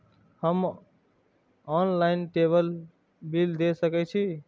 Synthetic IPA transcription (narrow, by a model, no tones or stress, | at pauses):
həm | ɔnlaɪinʈebəl | bild̪esəkɛt͡ʃʰi